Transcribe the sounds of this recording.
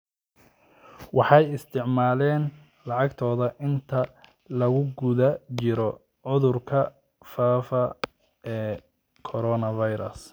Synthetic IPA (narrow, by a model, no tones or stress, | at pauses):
wʔɑħɑjɪst̪ʰɪʕmaːlɛːn | lɑʕɑɡt̪ʰɔːðɐʔɪnt̪ʰɐ | lɐɣʊɡʊðɐt͡ʃɪɾɔ | ʕʊðʊrkʰɐ | faːfɐ | ɛː | kʰɔɾɔːnɐvɐjɾɐ̰s